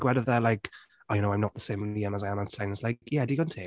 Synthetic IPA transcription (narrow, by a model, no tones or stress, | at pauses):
ɡ̥wɛdəvðəlaɪk | ɔjɨnoaɪ̃nət̚ðəsẽɪ̃miə̃məzaɪãmãsʰãɪ̃nɪslaɪkʰjɛdiɡɔ̃ntʰe